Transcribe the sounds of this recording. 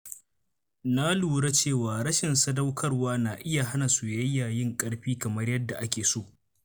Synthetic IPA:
na˦luː˨ɽa˦t͡ʃeː˦˨waː˨ɾɐ˦ʃɪ˨nsɐ˦dɐ˦wkʰɐ˦rwaː˦na˨ʔɪ˦ja˨ɦa˦na˨su˨jɐ˦jaː˨jɪ˦ŋkʼɐ˦ɽɸiː˦kɐ˨mɐ˦rjɐ˦dːa˨ʔa˦kʲeː˨soː˦˨ʔ

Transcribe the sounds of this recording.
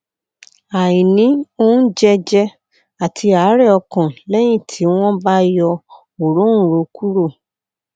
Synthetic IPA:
a˨jĩ˨nĩ˨˦o˦d͡ʒɛ˦d͡ʒɛ˦ | a˨tʰi˧a˨˦ɾɛ˦˨ɔ˧kã˨lɛ˦j̃ĩ˦˨tʰi˨˦w̃ɔ̃˦ba˦jɔ˧ | o˨ɾõ˨˦ũ˦˨ɾo˨˦ku˦ɾo˦˨

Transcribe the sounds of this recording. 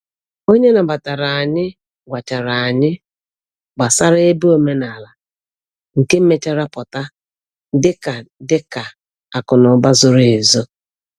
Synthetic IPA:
o˦ɲe˦na˨ba˨ta˨ɾa˨a˨ɲɪ˦ | ɡʷa˨t͡ʃa˨ɾa˨a˨ɲɪ˦ | ɡ͡ba˨sa˦ɾe˦bo˦me˦na˨la˨ | ŋ̩˨ke˦m̩˦me˦t͡ʃa˦ɾa˦pɔ˨ta˦ | dɪ˦ka˨dɪ˦ka˨ | a˨kʊ˨nʊ˨ba˦zʊ˦ɾɪ˨e˨zo˦

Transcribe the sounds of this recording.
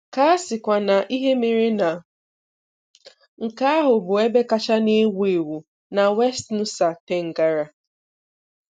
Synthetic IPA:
ka˦a˦sɪ˨kʷa˨na˨ʔi˦ɦe˦me˨ɾi˦na˨ | ŋ̩˨ka˦ɦʊ˨bʊ˨e˦be˦ka˦t͡ʃa˦ne˦we˨e˨wu˨ | na˨we˦stnu˦sa˨te˨ŋ̩˨ɡa˨ɾa˨

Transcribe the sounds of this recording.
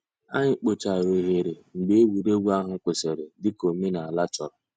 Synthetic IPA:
a̰˦ɲɪ˨k͡po˨t͡ʃa˨ɾe˨ɦe˨ɾe˨ŋ͡m̩˨ɡ͡be˦e˦wu˨ɾe˦ɡu˦a˦ɦʊ˦kʷʊ˨se˨ɾe˨dɪ˦ko˨me˦na˨a˨la˦t͡ʃɔ˨ɾɔ˨

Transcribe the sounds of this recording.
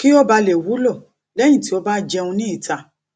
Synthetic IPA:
ki˦o˦ba˧le˨wu˨˦lɔ˦˨ | lɛ˦j̃ĩ˦˨ti˨˦o˦ba˦d͡ʒɛ˧ũ˧nĩ˦i˦˨tʰa˧

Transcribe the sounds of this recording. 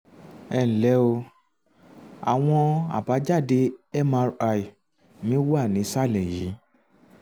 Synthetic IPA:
ɛ˦˨n̩˨lɛ˨˦o˧ | a̰˨w̃ɔ̃˧a̰˨ba˨˦d͡ʒa˦˨de˧ɛ˦ma˧ɾa˧i˨ | nĩ˨˦wa˦˨nĩ˨˦sa˦˨lɛ˨ji˨˦

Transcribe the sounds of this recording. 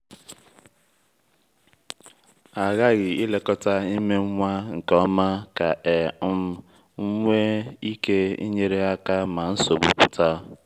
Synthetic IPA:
a˨ɣa˦ɣɪ˨i˦le˦kɔ˦ta˦i˦me˦ŋ̩˦ŋʷa˦ŋ̩˨kɔ˦ma˦ka˨e˨ʊ˦m˦ | ŋ̩˦ŋʷe˦i˦ke˦ḭ˦ɲe˦ɾe˦a˦ka˦ma˨n̩˦so˨bʊ̰˨bʊ˨ta˦

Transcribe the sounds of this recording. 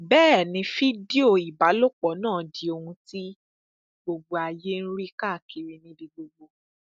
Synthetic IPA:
bɛː˦˨nĩ˧fi˦di˦o˦˨i˨ba˨˦lo˦k͡pɔ˨˦nãː˦˨di˨˦o˧hũ˧ti˦ | ɡ͡bo˧ɡ͡bo˧a˨je˦n̩˦ɾi˦ka˦˨ki˨ɾi˧nĩ˧bĩ˧ɡ͡bo˧ɡ͡bo˧

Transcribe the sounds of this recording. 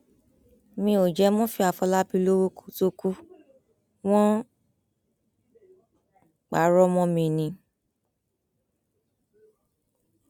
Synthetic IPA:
mĩ˧˦o˨d͡ʒɛ˨˧˦mɔ̃˦fi˧˦a˨fɔ˧la˦bi˧˦lo˦wo˧˦ku̥˨to˧ku˦ | w̃ɔ̃˦ | k͡pa˨˦ɾɔ˦mɔ̃˧mĩ˧˨nĩ˨˧˦

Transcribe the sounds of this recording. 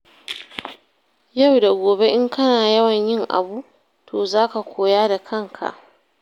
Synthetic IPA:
ja˦˨wda˨ɡʷoː˨be˦ʔɪ˦ŋkʰɐ˦naː˨jɐ˦wɐ˨ɲjɪ˦˨ŋʔa̰˨bu˦ʔ | tʰoː˨zaː˦ka˨kʷoː˨jaː˦da˨kʰɐ˦ŋkʰa̰˨ʔ

